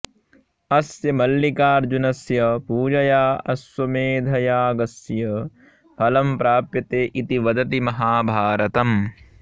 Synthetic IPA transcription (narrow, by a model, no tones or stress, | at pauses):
ɐsjɐmɐlːikaːɾd͡ʒunɐsjɐpuːd͡ʒɐjaːɐsʋɐmeːd̪ʱɐjaːɡɐsjɐ | pʰɐlɐmpɾaːpjɐt̪eːʔit̪iʋɐd̪ɐt̪imɐɦaːbʱaːɾɐt̪ɐm